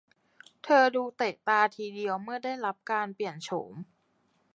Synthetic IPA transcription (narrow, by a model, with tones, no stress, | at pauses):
t̪ʰɤː˧duː˧t̪e˨˩t̪aː˧t̪ʰiː˧di˧əwmɯ˥˩ɐdaː˥˩jɾa˦˥p̚kaː˧npli˨˩ənt͡ɕʰo̰˩˦m